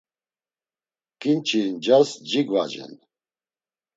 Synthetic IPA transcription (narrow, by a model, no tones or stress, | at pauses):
kʼint͡ʃʰind͡ʒasd͡ʒiɡva̰d͡ʒɛ̰n